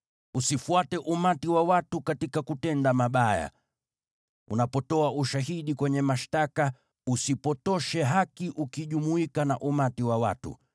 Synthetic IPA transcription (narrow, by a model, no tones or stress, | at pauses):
usifuatɛʔumatiwawatukatikakutɛndamaɓaja̰ | ṵnapɔtɔauʃaɦiɗikwɛɲɛmaʃtaka | usipɔtɔʃɛɦakiʔukiʄumuikanaʔumatiwawatṵ